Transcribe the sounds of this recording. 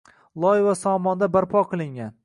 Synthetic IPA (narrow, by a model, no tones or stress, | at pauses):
lˠɒjvasɒmɒnd̪abaɾpʰɒqʰɨlˠɪŋɡʲan